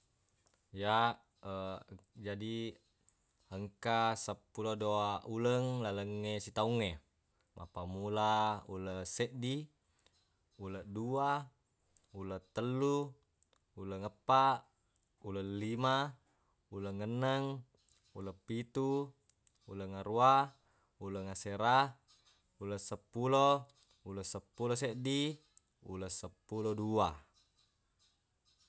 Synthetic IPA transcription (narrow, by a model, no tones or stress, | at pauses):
ja | əd͡ʒadi | həŋkasəpːulodoauləŋlaləŋːesit̪auŋːe | mʔa̰pamulaṵləsəʔdi | ulədua | ulət̪əlːu | uləŋəpːaʔ | ulalima | ulaŋːənːəŋ | ulapːit̪u | uləŋaɾua | ulaŋaseɾa | ulasəpːulo | ulasəpːuloseʔdi | ṵlasəpːulodua